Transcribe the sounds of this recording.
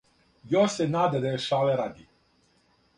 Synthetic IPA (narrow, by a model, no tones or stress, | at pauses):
josɛnaːd̪ad̪ajeʃalɛɾad̪i